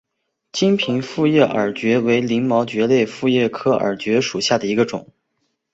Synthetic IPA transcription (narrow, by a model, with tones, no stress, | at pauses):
t͡ɕi˥ŋpʰi˧˥ŋfu˥˧jɛ˥˩ʔə˞˨˩t͡ɕɥɛ˧˥we˧˥ɪli˧˥ŋmɑ˧˥ʊt͡ɕɥɛ˧˥le˥˧ɪfu˥˧jɛ˥˩kʰɤ˥ə̰˨˩t͡ɕɥɛ˧˥ʂu˨˩ɕja˥˩d̪ə˩i˧˥ɡə˧ʈ͡ʂʊ̰˨˩˦ŋ